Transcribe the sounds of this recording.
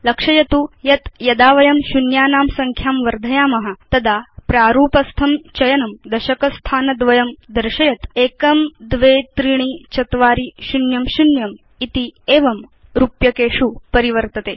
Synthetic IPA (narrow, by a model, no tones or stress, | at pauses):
lɐkʂɐjɐt̪ujɐt̪jɐd̪aːʋɐjɐmɕunjaːnaːmsɐŋkʰjaːmʋɐɾd̪ʱɐjaːmɐɦɐ̆t̪ɐd̪aːpɾaːɾuːpɐst̪ʰɐmt͡ʃɐjɐnɐmd̪ɐʃɐkɐst̪ʰaːnɐd̪ʋɐjɐmd̪ɐɾʂɐjɐt̪eːkɐmd̪ʋeːt̪ɾiɳ̃it͡ʃɐt̪ʋaːɾiɕunjɐmʃunjɐm | it̪ieːʋɐm | ɾupjɐkeːʂupɐɾiʋɐɾt̪ɐt̪eː